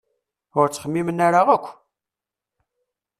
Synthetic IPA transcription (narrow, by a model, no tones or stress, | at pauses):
ʊɾt͡sːχəmːimənːaɾaʁəkʷː